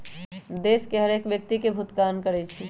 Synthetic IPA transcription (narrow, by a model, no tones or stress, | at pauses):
d̪eːskeɦəɾeːkʋjək̚t̪ikebʱʊt̪kaːnkəɾɛt͡ʃʰi